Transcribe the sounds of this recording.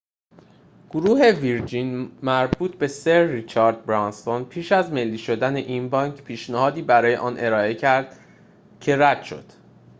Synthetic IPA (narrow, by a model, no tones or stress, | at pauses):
ɡ̥oɾuːɦe̞viɾd͡ʒinmæɾbuːt̪̚ʰbe̞seɾːit͡ʃʰɒːɾd̪̚bɾɒnst̪onpʰiːʃæzme̞lːiːʃo̞d̪æne̞ʔiːnbɒːŋcʰpʰiːʃnæhɒːd̪iːbæɾɒːje̞ʔɒːnʔe̞ɾɒːe̞cʰæɾd̪̥ | cʰe̞ɾæd̪̥ʃo̞̰d̪̥